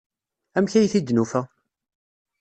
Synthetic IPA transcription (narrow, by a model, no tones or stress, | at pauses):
æmçæjθid̪ːnufæ